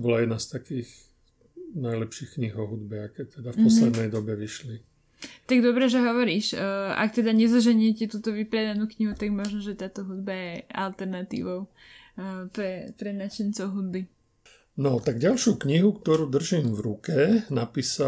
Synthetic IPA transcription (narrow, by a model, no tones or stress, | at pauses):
bɔlajɛd̪nast̪akiːx | najlɛpʃiːxkɲiɦɔɦud̪bɛakɛt̪ɛd̪afpɔslɛd̪nɛjd̪ɔbɛʋiʃli | t̪aɡd̪ɔbɾɛʒɛɦɔʋɔɾiːʃa̰k̚t̪ɛd̪aɲɛzɔʒɛɲɪɛcɛt̪uːt̪ɔʋipɾɛd̪anuːkɲiɦut̪aɡmɔʒnɔʒɛt̪aːt̪ɔɦud̪bajɛa̰lt̪ɛɾnat̪ḭːʋɔʊ | pɾɛpɾɛnat͡ʃɛnt͡sɔʊɦud̪̚bi | nɔt̪aɡɟalʃjukɲiɦukt̪ɔɾuːd̪r̩ʒiːmvɾukɛnapiːsa